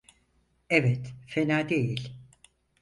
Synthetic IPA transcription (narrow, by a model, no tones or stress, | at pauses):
ɛvɛt̪fenaːd̪ejilʲ